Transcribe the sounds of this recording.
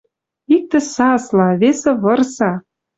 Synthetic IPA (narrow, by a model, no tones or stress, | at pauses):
ik̚t̪ɘ̆sɑslɑβesĕβɤ̆rsɑ